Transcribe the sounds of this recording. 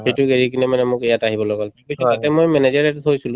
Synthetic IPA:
xejtʊɡeɹik̬inɛmanɛmʊkɛjataɦibɔlɔɡalpibisiatɛmojmɛnezɛɹɛtuɦojsulʊ̃

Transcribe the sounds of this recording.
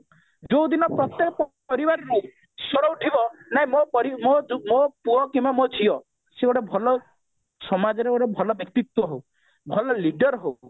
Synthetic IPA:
d͡ʒowd̪inɔpɾɔt̪jekɔpɔ | pɔɾibaɾɔku | sɔɽɔwʈʰibɔnaɦĩmopɔɾimomopuɔkimbamɔt͡ʃʰiɔ | seɡɔɽebʱɔlɔ | sɔmad͡ʒɔɾeɽebʱɔlɔbjɔk̚t̪it̪wɔɦow | bʱɔlɔliɖɔɾɦo

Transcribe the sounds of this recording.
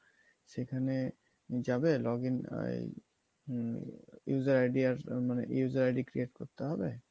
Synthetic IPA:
sekʰane | d͡ʒabelɔɡin̰ | juzaɾajɖiaɾmanḛjuzaɾajɖikɾieʈkɔɾt̪eɦɔbe

